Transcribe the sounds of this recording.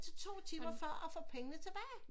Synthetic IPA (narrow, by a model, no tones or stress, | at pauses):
t͡sʰet͡sʰo̝̰ːt͡sʰiːmɐfɶɐ̰ʔɒ̽fɒ̰ːpʰeŋənət͡sʰe̝b̥ɛːɪ